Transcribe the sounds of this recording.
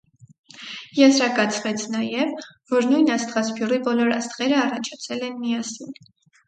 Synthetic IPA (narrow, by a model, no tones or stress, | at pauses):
jɛzɾɑkɑt͡sʰvɛt͡sʰnɑjɛvvɔɾnujnɑst̪ʁɑspʰjuribɔlɔɾɑst̪ʁɛɾəɑrɑt͡ʃʰɑt͡sʰɛlɛnmijɑsin